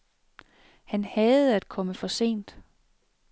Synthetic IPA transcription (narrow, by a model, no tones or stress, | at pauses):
hænhɛð̩ˠæd̥̚kʰɒ̽məfɒ̽se̝̰ːnd̥